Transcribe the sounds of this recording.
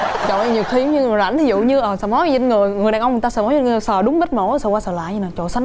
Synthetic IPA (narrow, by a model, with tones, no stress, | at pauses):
t͡ɕo̰˧˨˧ɲi˨˩wxi˨˧˦ɲɨ˧˨˩la̰˧˩ŋt̪ʰi˨˦zṵ˧˨ɲɨ˧ʔəː˨˩sɛ̰˧˦mɔ˨˦˧zə˧nŋɨ˨˩əjŋɨ˨˩jaː˨˩nə˧wŋ͡mt̪aː˧sɛ̰˧˥mɔ˨˦zə˧˩səː˨˩ɗʊ˨˦ŋ͡mɓə˦˥t̚mo̰˧˥˨sə̰˧˩waː˧səː˨˩la̰ː˧˨jɲɨ˧naː˨˩t͡ɕo̰˧˨sa˨˦n